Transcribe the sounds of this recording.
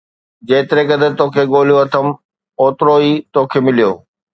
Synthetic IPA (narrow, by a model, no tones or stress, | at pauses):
d͡ʑeːt̪ɪɾekɐd̪ʱət̪oːkʰeɠoːl̤joɐt̪ʰəm | oːt̪ɾoiːt̪oːkʰeːmɪlijoː